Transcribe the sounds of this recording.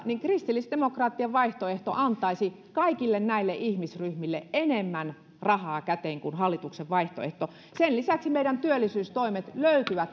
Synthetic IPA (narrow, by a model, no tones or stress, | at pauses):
niŋkrist̪ilːisd̥̪emokrɑːt̪ːiɑʋʋɑiht̪oeht̪o̰ʔɑnt̪ˑɑisi | kɑikilːennæilːeʔihmisryhmilːeʔenemːæn | rɑhɑːkæt̪eːŋkunhɑlːit̪ukseʋʋɑiht̪o̰ḛht̪o | senlisæksimeiɾænt̪yølːˑisyːst̪oimet̪løyt̪yʋæt̪